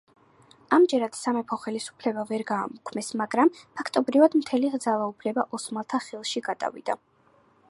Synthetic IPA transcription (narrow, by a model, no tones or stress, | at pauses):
amd͡ʒɛɾad̪̥samɛpʰɔχɛlisu̥pʰlɛbavɛɾɡa̰ːmukʰmɛsmaɡɾampʰakʰt̪ʼɔbɾivad̪mt̪ʰɛliʁd̪zalˠaupʰlɛbaʔɔsmalˠt̪ʰaχilˠʃiɡat̪ʼa̰vḭd̪̥a